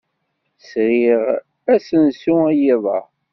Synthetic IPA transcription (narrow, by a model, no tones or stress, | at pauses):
sɾiʁ | æsənsuæjiðˤɑ̰